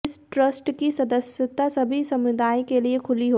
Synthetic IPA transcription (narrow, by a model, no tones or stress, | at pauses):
ɪsʈɾəsʈkisɐd̪əsjət̪asɐbʱisɐmʋɪd̪aːjkeliekʰʊliɦo